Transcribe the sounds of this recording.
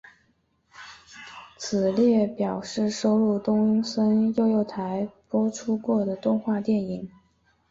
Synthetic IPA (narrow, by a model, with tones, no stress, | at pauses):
t͡sʰɹ̩˨˩ljɛ˥˩pjɑ˨˩ʊʂɻ̩˥˩ʂo˥ʊlu˥˩t̪ʊ˥ŋy˥nsə˥njo˥˧ʊjo˥˩ʊt̪ʰa˧˥ɪpwɔ˥ʈ͡ʂʰu˥kwɔ˥˩d̪ə˩t̪ʊ˥˧ŋxwa˥˧t̪jɛ˥˩ni˨˩˦ŋ